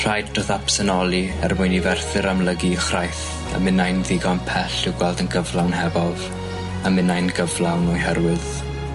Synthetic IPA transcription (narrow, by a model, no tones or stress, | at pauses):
r̥ajddroðapsənɔlˠiɛ̰rmʊjnivɛrθɨɾamləɡiχrajθ | ə̰mɪnajnðɪɡɔnpʰɛɬɪwɡwɛlˠdənɡəvlˠawnɦɛvɔð | amɪnajnɡəvlˠawnɔjɦɛrwɨð̥